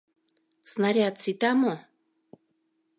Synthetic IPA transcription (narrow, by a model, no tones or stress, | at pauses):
snaɾʲat̪sit̪amo